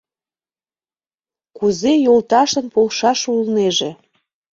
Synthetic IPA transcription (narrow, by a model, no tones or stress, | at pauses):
kuzejolt̪ɑʃə̆npolʃɑʃulneʒe